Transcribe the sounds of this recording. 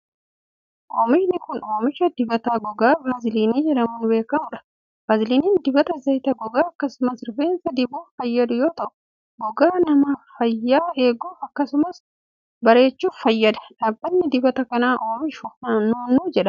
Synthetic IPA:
ʔoːmɪʃnɪkʊnoːmɪʃɐd̪ɪbɐt̪aːɡɔɡaːbaːzɪliːniːd͡ʒɛᶑɐmʊnbe̞ːkɐmʊᶑɐ̥ | baːzliːniːnd̪ɪbɐt̪ɐzɐjt̪ɐɡɔɡaːɐkːɐsʊmɐsɪɾfeːnsɐd̪ɪbuːfɐjːɐd̪ʊjoːt̪ɐʔʊ̥ | ɡɔɡaːnɐmɐfɐjːaːeːɡuːfɐkːɐsʊmɐs | bɐɾe̞ːt͡ʃːuːfɐjːɐd̪ɐ̥ᶑaːbːɐnːɪd̪ɪbɐt̪ɐkɐnaːʔoːmɪʃʊɐnuːnːuːd͡ʒɛᶑɐ̥

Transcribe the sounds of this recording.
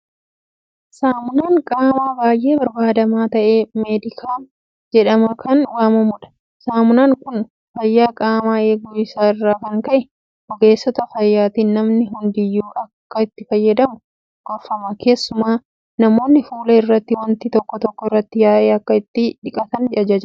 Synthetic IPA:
saːmʊnaːŋkʼaːmaːbaːjʔe̞ːbɐɾbaːd̪ɐmaːt̪ɐʔe̞ːmeːd̪ɪkʰaː | d͡ʒɛᶑɐmɐkʰɐnwaːmɐmʊᶑɐ̥ | saːmʊnaːŋkʊn | fɐjːaːkʼaːmaːe̞ːɡuːɪsaːɪrːaːkɐŋkɐʔɛ | hɔɡe̞ːsːɔt̪ɐfɐjːaːt̪iːnnɐmnɪɦʊnd̪ɪjːuːʔɐkːɐɪt̪ːɪfɐjːɐd̪ɐmʊ | ɡɔfɐmɐkʰe̞ːsːʊmaː | nɐmo̞ːnːɪfuːlɐɪrːɐt̪ːɪwɐnt̪ɪt̪ɔkːɔt̪ɔkːɔɪrːɐt̪ːɪjaːʔeːɐkːɐɪt̪ːɪᶑɪkʼɐt̪ɐnd͡ʒɐd͡ʒɐd͡ʒɐ

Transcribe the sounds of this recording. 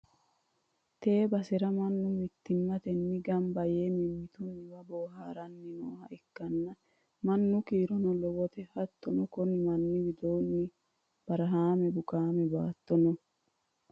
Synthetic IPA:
t̪e̞ːbɐsɪɾɐmɐnːʊmɪt̪ːɪmːɐt̪ɛnːɪɡɐmbɐjemɪmːɪt̪unɪbɐboːɦaːɾɐnːɪno̰ːhɐʔɪkːɐnːɐ | mɐnːʊkiːɾɔnɔlɔwɔt̪ɛhɐt̪ːɔnɔkɔnɪmɐnːɪwɪd̪oːnːɪ | b̥ɐɾɐɦaːmɛbʊkaːmɛbaːt̪ːɔnɔ

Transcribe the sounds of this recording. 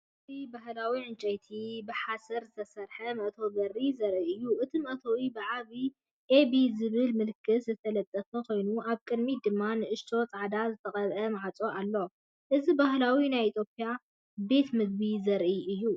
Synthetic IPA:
ɨt̪ʰibahlawiʕɨnt͡ʃʼɐjt̪ʰibɨħasɐɾzɨt̪ʰɐsɐɾħɐmɐʔt̪ʰo̞bɐrːizɐɾʔiɨjːuʔɨt̪ʰimɐʔt̪ʰowibɨʕaβi | ʔebizɨβɨlmɨlɨkʰːɨszɨt̪ʰɐlɐt̪ʼːɐfɐkʰo̞jnuʔaβkʼɨd̪mid̪ɨmːanɨʔɨʃt̪ʰo̞t͡sʼaʕd̪azɨt̪ʰɐkʼɐβʔɐmaʕat͡sʼo̞ʔalːo̞ | ʔɨzibahlawinajit̪ʰjo̞pʼja | be̞t̪mɨɡ̚bizɐɾʔiʔɨjːu

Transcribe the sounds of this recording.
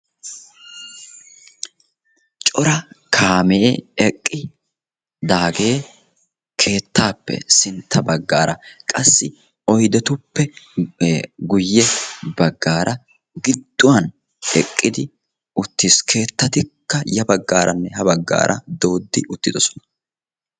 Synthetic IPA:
t͡ʃʼɔɾɐkʰaːmɛeɛkʼːɪ | d̪aːɡe̞ː | kʰe̞ːt̪ːaːpːɛ̰sɪnt̪ʰːɐbɐɡːaːɾʔɐkʼɐsːɪ | ɔjd̪ɛt̪ʊpːɛ | ɡʊjːɛbɐɡːaːɾʔɐ | ɡɪd̪ːʊwɐn | ɛkʼːɪd̪ɪ | ʔʊt̪ːiskʰe̞ːt̪ːɐt̪ɪkːɐjɐbɐɡːaːɾʔɐnːɛhɐbɐɡːa̰ːɾʔɐ̰d̪o̞ːd̪ːɪʔʊt̪ːɪd̪ɔsɔ̥nɐ̥

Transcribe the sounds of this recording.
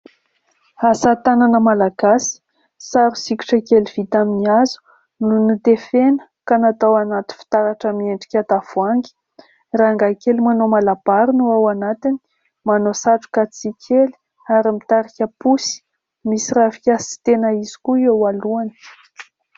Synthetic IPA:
asat̪ananəmalaɡasi̥ | saɾusiki̥ʈ͡ʂəkeliv̥it̪aminiazu̥ | nunut̪efenə̥kanat̪awanat̪i̥fi̥t̪aɾaʈ͡ʂəmieɳɖ͡ʐi̥kʲat̪av̥uaŋɡi̥ | raŋɡakelimanomalab̥aɾunuawanat̪ini̥ | manosaʈ͡ʂu̥kat͡sikʰeli̥ | aɾimit̪aɾikʲəpusi̥ | misirafikʲasi̥t̪enəizi̥kuewaluanə̥

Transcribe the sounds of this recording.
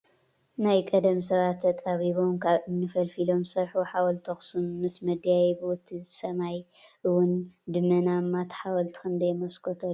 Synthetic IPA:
najkʼɐd̪ɐmsɐβat̪ʰːɐt̪ʼaβiβo̞mkʰaβɨnːɨfɐlfilo̞msɐɾħuħawɐlt̪ʰɐxsunːɨsmɐd̪jajbut̪ʰːizɨsɐmaj | ʔɨwʊnd̪ɨmːɐnamːat̪ʰħawɐlt̪ʰɨ̥xɨnd̪ɐjmɐskʰot̪ʰɐ

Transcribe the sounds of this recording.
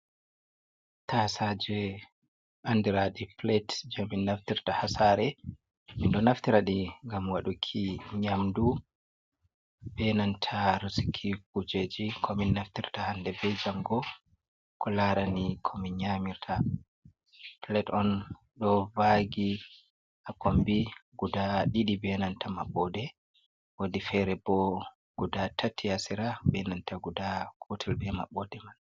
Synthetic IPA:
tasad͡ʒɛ | ʔandiɾaɗiplɛtd͡ʒaminːaftiɾtahasaːɾɛ | minɗɔnaft̪iɾaɗiŋɡamwaɗukʰiɲamdu | bɛnantʰaɾusi̥kʰikud͡ʒed͡ʒikʰɔminːaft̪iɾtahandɛbɛd͡ʒaŋɡɔ | kʰɔlaɾanikʰɔminɲamiɾtʰa | tlɛtɔn | ɗɔvaɡi | ʔakombiɡ̥udaɗiɗibɛnantʰamaɓːɔdɛ | wadifɛɾɛbɔ | ɡ̥udatatʰːiasiɾabɛnantʰaɡudakʰutʰɛlbɛma̰ɓːɔdɛman

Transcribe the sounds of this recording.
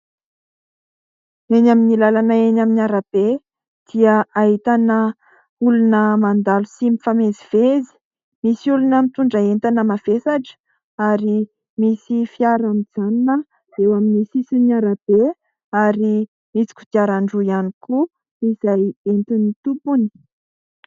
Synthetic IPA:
enaminilalanəenaminiaɾab̥e | d̪̥iəaɦit̪anə | ulunəmand̪alusimifameziv̥ezi̥ | misiulunəmit̪uɳɖ͡ʐəent̪anəmavesaʈ͡ʂə̥ | aɾi | misifiaɾamid͡zaninə | zewaminisisiniaɾab̥e | aɾi | mit͡si̥kʲu̥t̪iaɾaɳɖ͡ʐujaniku | iz̥ajent̪init̪upuni̥

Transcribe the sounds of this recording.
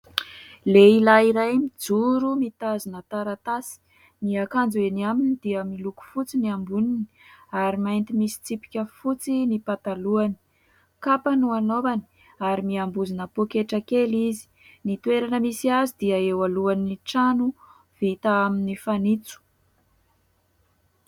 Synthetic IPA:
leilaiɾajmid͡zuɾumit̪azinət̪aɾat̪asi̥ | niakand͡zueniaminid̪̥iəmiluku̥fut͡siniambunini | aɾimajnt̪imisi̥t͡sipi̥kʲəfut͡sinipat̪aluani̥ | kapanuanovani̥ | aɾimiambuzinəpokeʈ͡ʂakelizi̥ | nit̪ueɾanəmisiazid̪iəewaluaniʈ͡ʂanu | v̥it̪aaminifanit͡su̥

